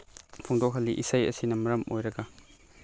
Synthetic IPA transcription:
pʰoŋdok̚hɐlːiʔisajɐ̰sinɐmɐɾɐmo̰jɾɐɡɐ

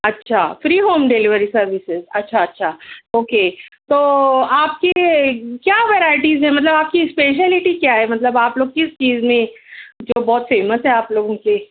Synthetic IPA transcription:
ɐtːʃʰa̰ːfɾiːɦoːmɖelɪʋəɾisɐɾʋɪsɪzɐtːʃʰaɐtːʃʰaoːkeːt̪oːaːp̚kekjaːʋeɾaːɪʈizɦɛ̃mɐt̪̬ləbaːp̚kispeːʃ̬əlɪʈikjaɦɛmɐt̪ləbaːploːɡ̚kɪst͡ʃiːzmẽd͡ʒoːbɔːt̪feːmət̪ɦɛaːploːɡõke

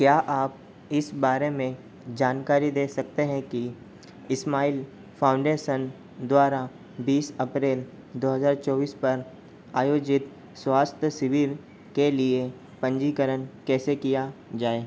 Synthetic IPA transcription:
kjaːʔaːp̚ | ɪsbaːɾemẽ | d͡ʒaːnkaːɾid̪eːsɐk̚t̪eɦɛ̃ki | ɪsmaːil | pʰãːʊ̃ɳɖeːʃən | d̪waːɾa | biːsɐpɾeːl | d̪oːɦəzaːɾt͡ʃɔːʋiːspɐɾ | aːjoːd͡ʒɪt̪ | swaːst̪ʰjəsɪʋiːɾ | kelie | pə̃ɲd͡ʒikəɾənkɛːsekijad͡ʒaːeː

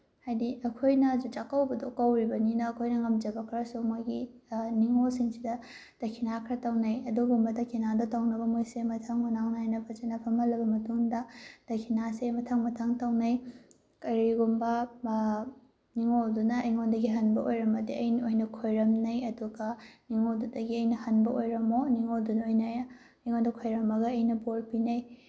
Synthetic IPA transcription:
hajdiʔɐkʰojnɐd͡ʒut͡ʃakɐwbɐdokɐwɾibɐninɐːkʰojnɐŋɐmd͡ʒɐbɐkʰɾɐsumaɡḭ | niŋosiŋsidɐ | d̥ɐkʰinakʰɾɐtɐwnɐjɐduɡumbɐdɐkʰinadotɐwnɐbɐmojsemɐtʰɐŋhunaŋnajnɐpʰɐd͡ʒenɐpʰɐmɐlɐbɐmɐtuŋdɐd̥ɐkʰinasemɐtʰɐŋmɐtʰɐŋtɐwnɐj | kɐɾiɡumbɐ | niŋodunɐiŋondɐɡiɦɐnbɐʔojɾɐmɐdiɐjniojnɐkʰojɾɐmnɐjɐduɡɐniŋodudɐɡiɐjnɐhɐnbɐʔojɾɐmoniŋodunɐojnɐj | ɐjŋondɐkʰojɾɐmɐɡɐːjnɐbolpinɐj

